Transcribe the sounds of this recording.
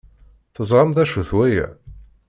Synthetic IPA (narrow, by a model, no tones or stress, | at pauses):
θəzˤɾˤəmðæʃuθwæjæ̰